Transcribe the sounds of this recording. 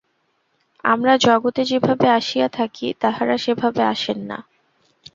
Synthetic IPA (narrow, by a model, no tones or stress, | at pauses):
a̰mɾad͡ʑɔɡot̪ed͡ʑebʱabeaʃijat̪ʰakit̪aɦaɾaʃebʱabeaʃenːa̰